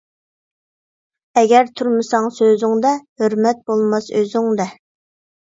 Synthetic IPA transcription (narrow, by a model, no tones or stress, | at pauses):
ɛɡʲɛɾt̪ʰuɾmɨsɑŋsøzɪŋd̪ɛhøɾmɛt̪̚bolˠmɑsøzɪŋd̪ɛ